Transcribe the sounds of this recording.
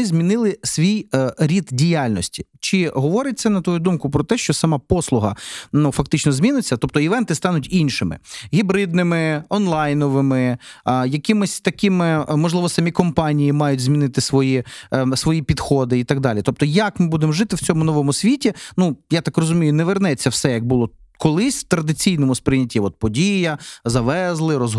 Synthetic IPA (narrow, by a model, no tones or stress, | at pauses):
ɪzʲmʲinɪlˠɪsʲʋʲijɾʲid̪dʲijalʲnɔsʲtʲi̥t͡ʃɪɦɔʋɔɾɪt̪̚ʲsɛnɐt̪ʋɔjud̪umkʊpɾɔt̪ɛʃt͡ʃɔsɐmɑpɔslˠʊɦɐ̰nufɐkt̪ɪt͡ʃnɔzʲmʲinɪt͡sʲːɐt̪ɔp̚t̪ɔiʋɛnt̪ɪst̪ɑnʊtʲinʲʃɪmɪ̰ɦʲibɾɪd̪̚nɪmɪɔnlˠɑjnɔʋɪmɪjɐkɪmɪsʲt̪ɐkʲɪmɪmɔʒlˠɪʋɔsɐmʲikɔmpɑnʲijimɑjʊtʲzʲmʲinɪt̪ɪsʋɔjisʋɔjipʲid̪xɔd̪ɪit̪ɐɡ̚d̪ɑlʲit̪ɔp̚t̪ɔjɐkmɪbud̪emʒɪt̪ɪwt͡sʲɔmʊnɔʋɔmʊsʲʋʲitʲinujat̪ɑkrɔzʊmʲijʊnɛʋernɛt͡sʲːɐwsɛjɐɡ̚bʊlˠɔ | kɔlˠɪsʲwt̪ɾɐd̪ɪt͡sʲijnɔmʊspɾʲɪnʲːɐtʲiɔt̪̚pɔdʲijɐzɐʋɛzlˠɪɾɔz